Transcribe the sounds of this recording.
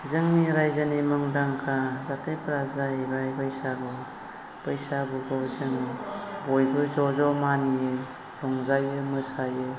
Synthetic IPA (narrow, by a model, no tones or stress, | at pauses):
zɯŋniɾajzanimɯŋdaŋkʰazatʰejpɾazaebajbajsaɡɔ | pɯjsabuɡɔwzɯŋbɔjbɯzɔzɔmanie | lɔŋzajɯmɯsajɯ